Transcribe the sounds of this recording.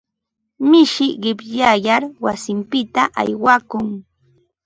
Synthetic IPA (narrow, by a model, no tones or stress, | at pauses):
mɪʃɪɢɪpʎajaɾwasɪmpɪt̪aʔa̰jwakʊŋ